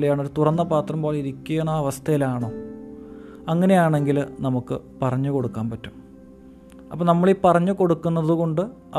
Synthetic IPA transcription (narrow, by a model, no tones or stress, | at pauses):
lejaːɳo̞ɾut̪urɐnːɐpaːt̪rɐmpoːliɾikʲːuenːaɐʋɐst̪ʰɐjilaːɳoː | ɐŋːɐnejaːɳe̞ŋɡilnɐmukːɨ̰pɐrɐɲːuko̞ɽukːaːmpɐtːum | ɐpːoːnɐmːɐɭipɐrɐɲːuko̞ɽukːunːɐðuko̞ɳɖɨ | ɐ